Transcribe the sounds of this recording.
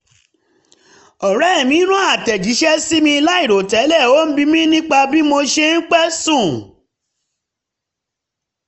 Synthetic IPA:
ɔ˨ɾɛ˦˨mĩ˨˦nũ˦a˦˨tɛ˨d͡ʒi˨˦ʃɛ˦si˦mĩ˧i˧la˦i˦˨ɾo˨tɛ˨˦lɛ˦˨o˦n̩˦bi˧mĩ˦nĩ˦k͡pa˧bi˦mo˧ʃe˧n̩˦k͡pɛ˦sũ˦˨

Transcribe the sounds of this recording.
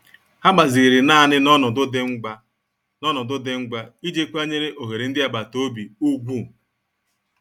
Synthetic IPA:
ha˦ɡ͡ba˨zi˨ɾɪ˨na˦˨nɪ˦nɔ˦nʊ˨dʊ˦dɪ˦ŋ͡m̩˦ɡ͡ba˦ | nɔ˦nʊ˨dʊ˦dɪ˦ŋ͡m̩˦ɡ͡ba˦i˦d͡ʒe˦kʷa˦ɲe˦ɾɪ˦ʔo˨ɦe˨ɾe˨n̩˦dɪ˦a˦˨ba˨to˦bi˨u˦ɡʷu˦

